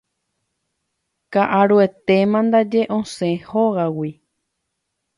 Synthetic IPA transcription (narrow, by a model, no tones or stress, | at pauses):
kaʔaɾue̞t̪e̞mãnd̪ad͡ʒe̞ʔõsẽhoɣawi